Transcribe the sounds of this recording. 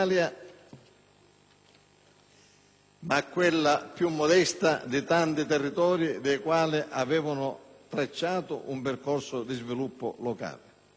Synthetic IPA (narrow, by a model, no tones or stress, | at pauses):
lja | makːwelːapjumːɔd̪ɛst̪a̰d̪ɪt̪ant̪ɪt̪ɛrːit̪ɔːɾid̪ejkwaːlɪʔavɛːvanʊt̪ɾet͡ʃːaːt̪ʊ̰ʔumpɪrkɔrsʊd̪izvilupːʊ̰lɔka̰ːlɪ